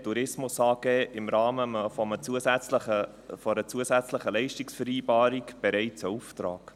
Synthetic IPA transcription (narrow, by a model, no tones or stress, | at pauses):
tuɾɪsmʊsɑːɡeːʔɪmɾɑːməfɔmət͡suəsæt͡slə | fɔɾət͡suəsæt͡sləχəlɛɪʃtɪksfəɾiːbɑːɾikb̥ɛɾɛɪt͡səuft̪ɾɑ̰ːk